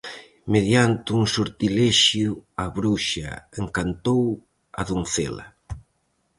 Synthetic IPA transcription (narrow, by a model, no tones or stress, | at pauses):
meðjant̪ɪuŋsuɾt̪ilɛʃjʊaβɾuʃa̰eŋkant̪ow | a̰ðunθelɐ̰